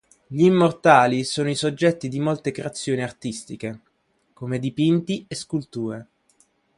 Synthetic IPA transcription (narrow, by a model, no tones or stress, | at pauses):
ʎiːmːort̪aːlisoːnoisod͡ʒːɛt̪ːid̪imolt̪ekɾeat̪sːjoːniart̪ist̪ike | komed̪ipint̪ieskult̪uːɾe